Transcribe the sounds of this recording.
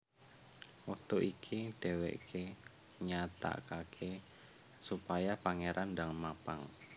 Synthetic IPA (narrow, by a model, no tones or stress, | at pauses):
wak̚t̪uʔikʰiɖ̥e̤wḛʔkʰe | ɲat̪a̰kakʰe | supajapaŋeɾʔandaŋmapaŋ